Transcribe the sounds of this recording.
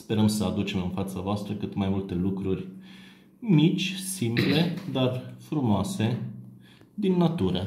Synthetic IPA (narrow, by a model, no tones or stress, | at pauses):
spe̞ɾəmsəad̪ut͡ʃe̞mɨnfat̪savoast̪ɾəkɨt̪majmult̪e̞lukɾurʲ | mit͡ʃʲsimple̞d̪arfɾumoase̞ | d̪inːat̪uɾə